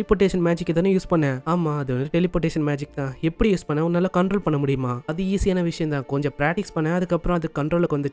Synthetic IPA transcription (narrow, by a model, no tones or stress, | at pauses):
lɪpoːʈ̬ːeːʂɐnmaːd͡ʒɪkːɯðaːnɯ̃juːspɐɳːɛ̃aːmaːɐðɯɐnd̪ɯʈɛlɪpoːʈːeːʂɐnmaːd͡ʒɪk̚ːt̪ãːɛpːɐɽijuːspɐɳːɐ̃ɔɾɯnɐːlːaːkɐɳʈɾoːlpɐɳːɐmʊɽɪjɯmaːɐðɯiːsɪjaːnɐʋɪʂɐjɐnt̪ãːkɔɲd͡ʒɔ̃pɾaːk̚ʈɪkspɐɳːɛ̃ɐðɯkːɐpːɯɾɔ̃ɐðɯkːɐɳʈɾoːlɯkːʋɐnd̪ɯt͡ʃː